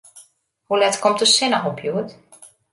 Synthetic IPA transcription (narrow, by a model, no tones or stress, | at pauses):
hulɛtkɔmtəsɪnəxɔpʰjuət